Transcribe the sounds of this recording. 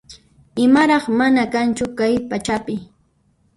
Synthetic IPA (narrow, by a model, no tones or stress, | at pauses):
ɪmaɾɑχmanakant͡ʃʊkajpat͡ʃapɪ